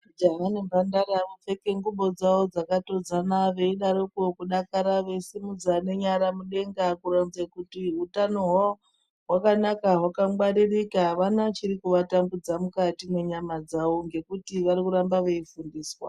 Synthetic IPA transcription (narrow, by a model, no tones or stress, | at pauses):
d͡ʒaɦanimbʱandaɾamup͡fe̞ke̞ŋɡuɓo̞d͡zawo̞d͡zakato̞d͡zanaʋe̞iɗaɾokokuɗakaɾaʋe̞isimud͡zane̞ɲaɾamuɗe̞ŋɡakuɾanzekutiɦutano̞ɦa | ɦwakanakaɦwakawaɾirikaʋanat͡ʃiɾikuʋatambud͡zamukatime̞ɲamad͡zawoŋɡe̞kutiʋaɾikuɾambaʋeifundiːswa̰